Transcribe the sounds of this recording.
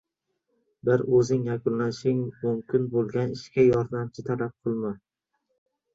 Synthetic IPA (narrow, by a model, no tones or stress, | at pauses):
bɪɾɵzɪŋjakʊnlanɪʃɪŋmʊmkʰʲɪnbolˠɡʲanɪʃkʲajɒɾd̪amt͡ʃʰɪt̪ʰalap̚qʰɨlˠma